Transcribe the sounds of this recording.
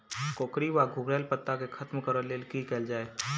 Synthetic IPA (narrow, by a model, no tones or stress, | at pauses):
koːkɾiʋaɡʱʊɡɾɛːlpət̪ːakekʰɐt̪mkəɾəleːlkikɛːld͡ʒaːeː